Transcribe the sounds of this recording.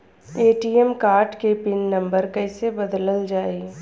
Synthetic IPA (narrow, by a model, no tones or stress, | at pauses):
eːʈiːɛmkaːɾʈkepɪnːɐ̃mbəɾkɐɪsebɐd̪ləld͡ʒaːi